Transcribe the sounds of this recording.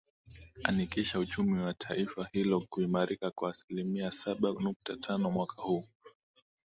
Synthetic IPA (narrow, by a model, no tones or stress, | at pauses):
a̰nikiʃaut͡ʃumiwatʰaifahilɔkuimaɾikakwaːsilimiasaɓanuk̚tatʰanɔmwakʰahuː